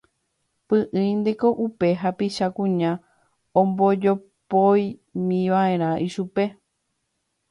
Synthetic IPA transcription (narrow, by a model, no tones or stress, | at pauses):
pɨ̃ʔɨ̃j̃nd̪eko̞ʔupe̞ɦapiʃakũɲã | õmbo̞d͡ʒo | pojmĩʋaẽ̞ɾ̃ãʔiʃupe̞